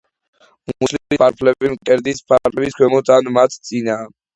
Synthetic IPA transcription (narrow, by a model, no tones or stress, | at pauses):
muslimulipʰaɾpʰlɛimqʼɛɾd̪ispʰaɾpʰlɛbiskʰwɛmɔt̪anmat̪ʰt̪sʼinaː